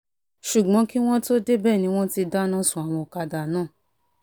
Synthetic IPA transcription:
ʃu˨ɡ͡bɔ̃˨˦ki˦w̃ɔ̃˦to˦de˦bɛː˦˨nĩ˧˦w̃ɔ̃˦ti˧da˦nã˦˨sũ˨a˨w̃ɔ̃˧˨ka˧da˨nãː˦˨

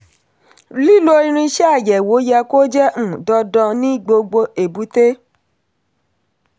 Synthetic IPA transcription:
li˦lo˦ɾĩ˧ɾ̃ĩ˧ʃɛ˦a˦˨jɛ˨wo˨˦jɛ˧ko˦d͡ʒɛ̃˦˨dɔ˧dɔ̃˧nĩ˦ɡ͡bo˧ɡ͡bo˧e˨bu˨˦te˦

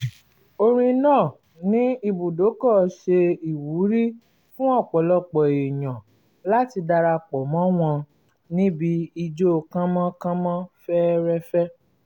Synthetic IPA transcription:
o˧ɾ̃ĩ˧nãː˦˨ | nĩ˨˦i˧bu˨do˨˦kɔ˦˨˦ʃe˧i˨wu˨˦ɾi˦ | fũ˦ɔ˦˨k͡pɔ˨˦lɔ˦˨k͡pɔ˨e˨j̃ã˨ | la˦ti˧da˧ɾa˧k͡pɔ˨mɔ̃˨˦w̃ɔ̃˧ | nĩ˦bi˦i˧d͡ʒo˦˨˧kã˦mã˦kã˦mã˦fɛ˦ɾɛ˦fɛ˦

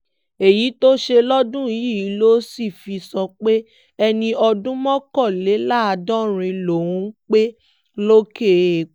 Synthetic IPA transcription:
e˨ji˨˦to˦ʃe˧lɔ˦dũ˦i˨ji˦˨ji˨˦lo˦si˦˨fi˧sɔ˧k͡pe˦ | ɛ˧nĩ˧ɔ˧dũ˦mɔ̃˦kɔ˦˨le˨˦la˦˨a˧dɔ̃˦ɾ̃ĩ˧lo˨wũ˨˦k͡pe˦ | lo˦ke˦˨

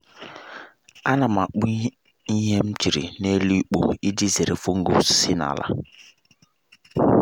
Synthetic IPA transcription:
a˦na˨ma˨k͡pu˦ | i˦ɦe˦m̩˦t͡ʃi˨ɾḭ˨ne˦li˦k͡po̰˨i˦di˦ze˨ɾe˨fo˦ŋ̩˦ɡo̰˨sɪ˦na̰˨la̰˦˨

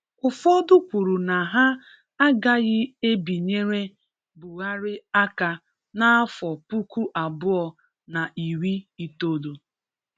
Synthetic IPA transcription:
ʊ˨fɔ˦dʊ˦kʷu˨ɾu˨na˨ɦa˦ | a˦ɡa˦ɣɪ˦e˦bi˨ɲe˦ɾe˦ | bʊ˨ɣa˦ɾɪ˦a˦ka˨ | na˦fɔ˨pu˦ku˦ʔa˨bʊ˦ɔ˨ | na˨ʔi˨wi˦i˦to˦do˨

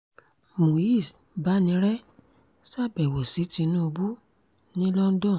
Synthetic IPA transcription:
mo˨i˦˨s | ba˦nĩ˧˦ɾɛ˦ | sa˦˨bɛ˨wo˨si˨˦ti˧˦nũ˦o˧bu˦ | nĩ˦lɔ˦n̩˦dɔ̃˦˨

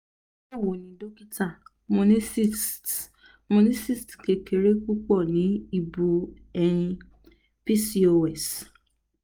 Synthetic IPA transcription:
o˦˨wo˨nĩ˨do˦ki˦ta˦˨ | mõ˧nĩ˦si˦˨ | mõ˧nĩ˦si˦˨stke˧ke˨ɾe˦ku˦k͡pɔ˦˨nĩ˨˦i˦˧bu˧ | ɛ˧nĩ˧ | pi˦si˦o˧ɛ˦˨s

